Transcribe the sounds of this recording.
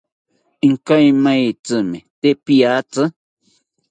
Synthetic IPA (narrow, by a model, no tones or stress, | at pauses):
iŋkajmajt͡sɨmet̪eʔpiat͡sə